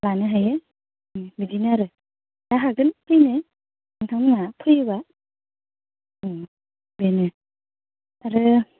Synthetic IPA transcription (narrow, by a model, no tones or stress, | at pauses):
lanɯɦajɯ | bidinɯaɾɯ | daɦaɡɯnpʰɯjnɯ | aŋtʰawnɯŋapʰɯjɯba | benɯ | aɾɯ